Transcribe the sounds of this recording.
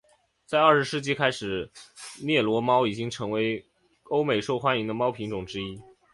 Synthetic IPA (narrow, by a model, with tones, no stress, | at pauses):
t͡sa˥˧ɪə˞˥˩ʂɻ̩˧˥ʂɻ̩˥˩t͡ɕi˥kʰa˥ɪʂɻ̩˨˩˦njɛ˥˩lwɔ˧˥mɑ˥ʊi˨˩t͡ɕi˥ŋʈ͡ʂʰɤ˧˥ŋwe˧˥ɪ | o˥ʊme˨˩ɪʂo˥˩˧ʊxwa˥ni˧˥ŋd̪ə˧mɑ˥ʊpʰi˧˥ŋʈ͡ʂʊ˨˩ŋʈ͡ʂɻ̩˥i˥